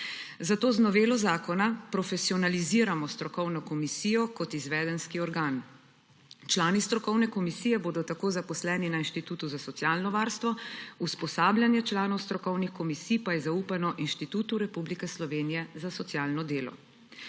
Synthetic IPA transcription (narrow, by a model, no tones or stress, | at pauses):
zat̪oːznɔʋeːlɔzaːkɔnapɾɔfɛsiɔnaliziːɾamɔst̪ɾɔkɔwnɔkɔmisiːjɔkɔt̪izʋɛːd̪ɛnskiɔɾɡaːn | t͡ʃlaːnist̪ɾɔkɔwnɛkɔmisiːjɛboːd̪ɔt̪akoːzapɔslɛːninainʃt̪it̪uːt̪uzasɔt̪sijaːlnɔʋaːɾst̪ʋɔuspɔsaːbljanjɛt͡ʃlaːnɔwst̪ɾɔkɔwnixkɔmisiːpajɛzauːpanɔʔinʃt̪it̪uːt̪uɾɛpublikɛslɔʋeːnijɛzasɔt̪sjaːlnɔd̪eːlɔ̰